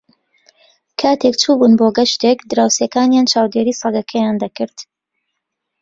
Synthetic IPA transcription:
kʰaːt̪ʰekt͡ʃʰuːbunboɡɐʃt̪ekd̪ɨɾaːwsjekaːnjaːnt͡ʃʰaːwd̪eːɾiːsɑɡɐkʰɐjaːnd̪ɐkɨɾt̪

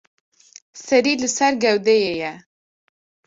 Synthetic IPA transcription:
sɛɾiːlɨsɛɾɡɛwd̪ɛjeːjɛ

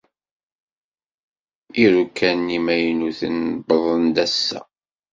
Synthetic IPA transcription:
iɾukːænːimæjnuθənbəðˤənd̪æsːæ̰

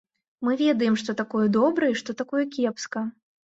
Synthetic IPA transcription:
mɨvʲɛd̪ɐjɛmʂt̪ɔt̪akɔjɐd̪ɔbɾɐiʂt̪ɔt̪akɔjɐkʲɛpskɐ

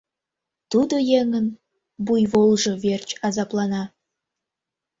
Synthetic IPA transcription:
t̪ud̪ojeŋən | bujβolˠʒoβert͡ɕɑzɑplɑnɑ

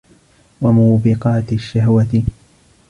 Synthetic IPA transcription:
wamuːbɪqɑːt̪ʃːahwat̪ɪ

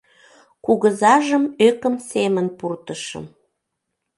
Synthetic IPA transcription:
kuɣəzɑʒəmøkəmsemənpurt̪əʃə̰m

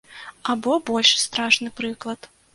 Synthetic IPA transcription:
abɔbɔlʲʂst̪ɾaʂnɨpɾɨklˠɐt̪

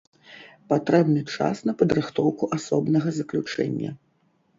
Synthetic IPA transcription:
pat̪ɾɛbnɨt͡ʂa̰snɐpɐd̪ɾɨxt̪ɔwkuʔasɔbnɐɣɐzɐklʲut͡ʂɛ̰nʲːɐ̰

